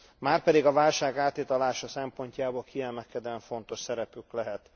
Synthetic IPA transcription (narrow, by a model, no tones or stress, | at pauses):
maːrpɛd̪iɡɒvaːlʃaːɡaːt̪it̪ɒlaːʃɒsɛmpo̞ɲcaːbolkʰiɛlmɛkɛd̪ɛɱfo̞nt̪o̞ʃsɛɾɛpyklɛɦɛt̪